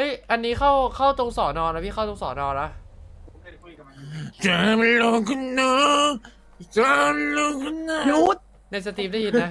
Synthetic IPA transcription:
ʔɤ˦˥jʔa˧nːiː˦˥kʰa˥˩wkʰa˥˩wt̪o˧ŋsɔː˨˩˦nɔː˧na˦˥pʰi˥˩xa˥˩t̪o˧ŋsɔ̰ː˩˦nɔː˧na˦˥ | t͡ɕaː˨˧˩m˧lo˧kʰɯ˥˩nːəː˧˦ | t͡ɕaː˧˦˧lo˧kʰɯ˥˩˨nːa˧˦u˦˥t̪̚ | na˧jsa˧t̪ʰiː˧˩p̚da˥˩hi˦˩na˦˥

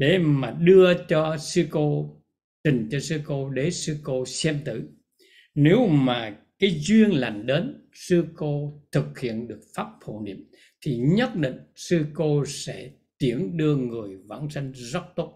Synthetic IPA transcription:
ɗe˨˦maː˨˩ɗɨ˧ət͡ɕɔ˧sɨ˧ko˧ | t͡ɕï˨˩ŋ̟t͡ɕɔ˧sɨ˧ko˧ɗe˨˦sɨ˧ko˧sɛ˧mt̪ɨ̰˧˩ | ne˨˦wmaː˨˩kaː˨˦jzwi˧ənla̰˧˨˩nɗe˨˦nsɨ˧ko˧t̪ʰɨ˨˩k̚hḭ˧˨ənɗɨ˨˩ək̚faː˦˥p̚fʰo̰˧˨nḭ˧˩˨əm | t̪ʰi˨˩ɲə˦˥t̚ɗḭ˧˨ŋ̟sɨ˧ko˧sɛ̰˧˥ | t̪i˨˦˩ənɗɨ˧əŋɨ˨˩əjva̰ː˧˥nsa˧jŋ̟zə˦˥t̚t̪o˦˥t̚

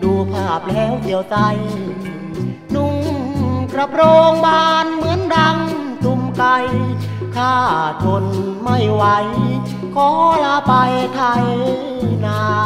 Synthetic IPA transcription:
du˧˩pʰaː˥˩p̚lɛː˦˥˩wd̪i˨˩əwt͡ɕa˧j | nu˧˩ŋkɾa˧pʰɾoː˧ŋbaː˧nmɯ˨˦ənda˧ŋt̪u˧mka˧j | kʰaː˥˩t̪ʰo˧n | ma˥˩jwa˦˥j | kʰɔː˧˦˥laː˧pa˧jt̪ʰa˧j | naː˧˥

